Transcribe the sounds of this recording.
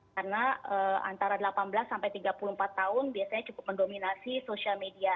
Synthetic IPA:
karənaəa̰nt̪aɾadəlapanbəlasːampajt̪iɡapulum̩pat̪ːaʊnbiasaɲat͡ʃukʊp̚məndominasisosialmedia

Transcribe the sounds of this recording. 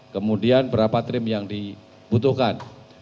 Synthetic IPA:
kəmudianbəɾapat̪ɾɪmjaŋdi | but̪uhkan

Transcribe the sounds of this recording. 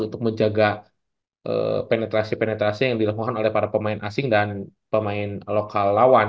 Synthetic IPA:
unt̪ʊk̚məɲd͡ʒaɡa | ʔə̰penet̪ɾasipenɛt̪ɾasijaŋdilakukanolɛhpaɾapəmaɪnʔasɪŋdanpəmaɪnlokalːawan

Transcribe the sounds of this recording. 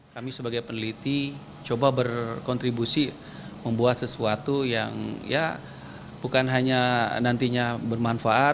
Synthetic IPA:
kamisəbaɡajpənəlit̪i | t͡ʃobabərkɔnt̪ɾibusi | məmbuat̪səsuat̪uja̰ŋja̰ | bukanɦaɲanant̪iɲabərmanfaʔa

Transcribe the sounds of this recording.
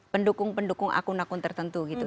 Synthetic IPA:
pəndukʊŋpəndukʊŋa̰kunakʊnt̪ərt̪ənt̪uɡit̪u

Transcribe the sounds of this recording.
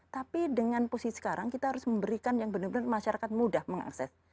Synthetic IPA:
t̪apidəŋanposisə̥kaɾaŋkit̪aɦaɾʊsməmbəɾikanjaŋbənʊrbənərmaʃaɾakat̪̚mudahməŋa̰ksɛs

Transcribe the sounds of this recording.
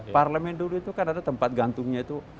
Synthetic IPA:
parləmɛnduluit̪ukanadat̪əmpat̪̚ɡant̪ʊŋɲait̪u

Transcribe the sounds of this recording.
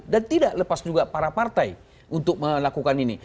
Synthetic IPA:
dant̪idaʔləpasd͡ʒuɡapaɾapart̪aj | unt̪ʊk̚məlakukanini

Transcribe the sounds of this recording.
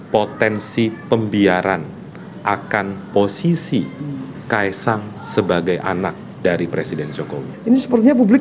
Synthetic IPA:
pot̪ɛnsipəmbiaɾan | ʔakanposisi | kajsaŋ | səbaɡajʔa̰nak̚ | daɾipɾesidɛnd͡ʒoko̰wḭinisə̥pərt̪iɲap̬ublɪk

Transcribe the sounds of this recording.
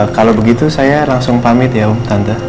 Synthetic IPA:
kalobəɡit̪usajalaŋsʊŋpamɪt̪jaumt̪ant̪a

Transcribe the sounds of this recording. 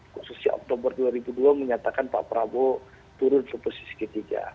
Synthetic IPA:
kususɲaʔɔ̰k̚t̪obərduaɾibuduaməɲat̪akanpa̰ʔpəɾabo | t̪uɾʊnsəposi̥si̥kət̪iɡa̰

